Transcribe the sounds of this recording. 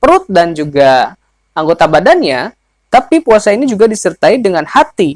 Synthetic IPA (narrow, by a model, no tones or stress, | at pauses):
pəɾʊt̪̚dand͡ʒuɡa | aŋɡot̪abadanɲa | t̪apipuasainid͡ʒuɡadisərt̪aidəŋanhat̪i